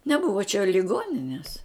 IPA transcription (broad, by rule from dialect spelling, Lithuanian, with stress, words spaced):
nʲɛˈbʊʋɐ t͡ʃʲɛ lʲɪˈɡoːnʲɪnʲɛs